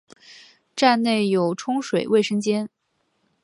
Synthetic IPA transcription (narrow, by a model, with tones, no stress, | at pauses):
ʈ͡ʂa˥˧nne˥˩ɪjo˨˩ʊʈ͡ʂʰʊ˥ŋʂwe˨˩ɪwe˥˩ɪʂə˥ŋt͡ɕjɛ˥n